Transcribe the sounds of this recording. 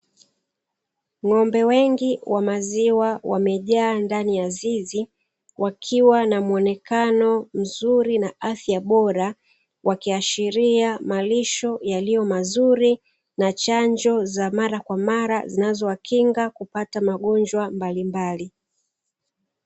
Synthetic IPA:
ŋɔmbɛwɛŋɡiwamaziwawa̰mɛʄaːndanijazizi | wʔakʰiwanamuɔnɛkanɔm̩zuɾinaaθjaɓɔɾa | wakiaʃiɾiamaliʃɔjalijɔmazuɾi | nat͡ʃaɲd͡ʒɔzamaɾakwamaɾazinazɔwakʰiŋɡakupatamaɠɔnd͡ʒwambalimbali

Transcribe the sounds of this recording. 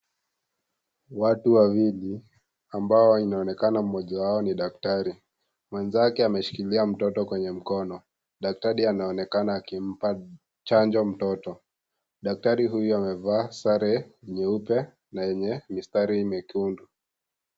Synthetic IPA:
watuwawili | ambaɔinaɔnɛkanam̩mɔʄawaɔniɗak̚taɾi | mwɛnzakɛamɛʃi̥kiliam̩tɔtɔkwɛɲɛm̩kɔnɔ | ɗak̚taɾianaɔnɛkanaːkim̩pa | t͡ʃaɲd͡ʒɔm̩tɔtɔ | ɗak̚taɾiɦujuamɛvaːsaɾɛɛɲɛupɛ | najɛɲɛmistaɾimɛkundu

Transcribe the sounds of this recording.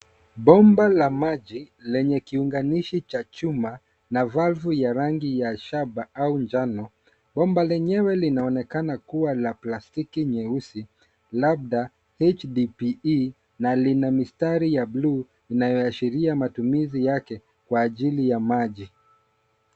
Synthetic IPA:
ɓɔmbalamaʄi | lɛɲɛkiuŋɡaniʃit͡ʃat͡ʃuma | navalvujaɾaŋɡijaʃabaaund͡ʒanɔ | ɓɔmbalɛɲɛwɛlinaɔnɛkanakuwalaplastikiɲɛusi | lab̚ða | hɛt͡ʃdipi | nalinamistaɾijablu | inajɔaʃiɾiamatumizijakɛ | kwaːʄilijamaʄi

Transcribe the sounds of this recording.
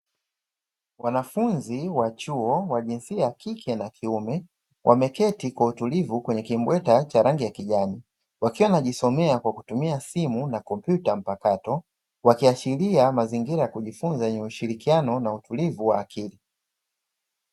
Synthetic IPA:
wanafunziwat͡ʃuɔwaʄinsiajakikʰɛnakʰiumɛ | wʔamɛkɛtikwautulivukwɛɲɛkimbwɛtat͡ʃaɾaŋɡijakiʄani | wakiwanaʄisɔmɛakwakutumiasimunakɔmpjutam̩pakatɔ | wakiat͡ʃiliamaziŋɡiɾajakuʄifunzajɛɲɛuʃiɾikianɔnautulivuwa̰ːkʰili

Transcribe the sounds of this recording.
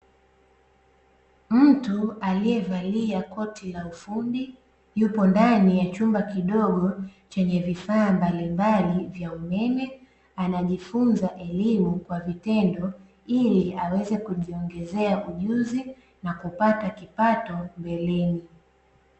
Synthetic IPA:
m̩tualijɛvaliakɔtilaufundi | jupɔndanijat͡ʃumbakiɗɔɠɔt͡ʃɛɲɛvifaːmbalimbalivjaumɛmɛ | anaʄifunzaʔɛlimukwavitɛndɔ | iliawɛzɛkuʄiɔŋɡɛzɛaʔuʄuzi | nakupatakipatɔmbɛlɛni

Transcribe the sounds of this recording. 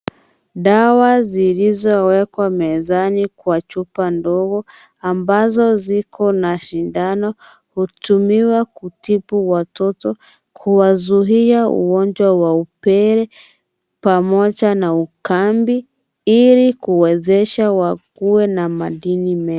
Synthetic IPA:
ɗawazilizɔwɛkwamɛzanikwat͡ʃupandɔɣɔ | ambazɔzikʰɔnaʃindanɔ | hutumiwakutipuwatɔtɔ | kʰuwazuɦiaṵɡɔnd͡ʒwawaupɛɾɛ | pamɔʄanaukambi | ilikuwɛzɛʃawakuwɛnamaɗinimɛ

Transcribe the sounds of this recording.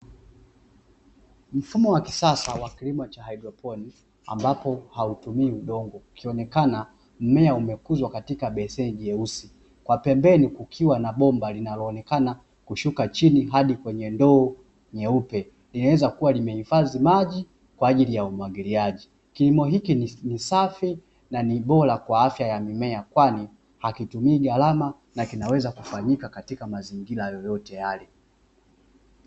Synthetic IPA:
m̩fumɔwakisasawakilimɔt͡ʃahaidɾɔpɔni | a̰mbapɔhautumiːuɗɔŋɡɔkʰiɔnɛkana | m̩mɛaumɛkuzwakatikaɓɛsɛnʄiɛusi | kwapɛmbɛnikukʰiwanaɓɔmbalinalɔːnɛkana | kuʃukat͡ʃiniɦaɗikwɛɲɛndɔː | ɲɛupɛ | linawɛzakuwalimɛhifazimaʄi | kwaːʄilijaumwaɡiliaʄi | kilimɔɦikinnisafi | naniɓɔlakwaafjajamimɛakwani | hakitumiːɡalama | nakinawɛzakufaɲikakatikamaziŋɡilajɔjɔtɛjalɛ

